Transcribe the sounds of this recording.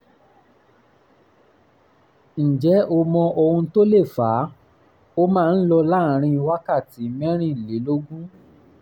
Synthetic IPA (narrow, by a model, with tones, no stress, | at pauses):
n̩˨d͡ʒɛ˨˦ʔo˧mɔ̃˧ʔo˧hũ˧to˦le˦˨fa˨˦ | o˦mãː˦˧n̩˦lɔ˧la˦˨ɾ̃ĩ˧i˧wa˦ka˦˨ti˨˦mɛ̃˦ɾ̃ĩ˦˨le˨˦lo˦ɡũ˦